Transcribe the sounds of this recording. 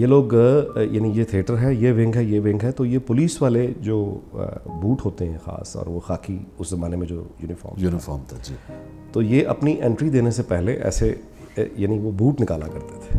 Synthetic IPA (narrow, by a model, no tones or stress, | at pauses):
jeloːɡjaːnijet̪ʰieːʈəɾɦɛjeʋɪ̃ŋɡɦɛjeʋɪ̃ŋɡɦɛt̪ojepʊliːsʋaːled͡ʒoː | buːʈɦoːt̪eɦɛ̃xa̰ːsɔ̰ːɾʋoxa̰ːkʰiʊszɐmaːnemẽd͡ʒoːjuːnɪfɔ̰ːɾmjunɪfɔːɾmt̪ʰad͡ʒiː | t̪ojeʔɐpniʔɛ̃ɳʈɾid̪eːnesepɛɦleʔɛ̰ːse | jaːniʋobuːʈnɪkaːla̰kɐɾt̪e̥t̪ʰe̥ː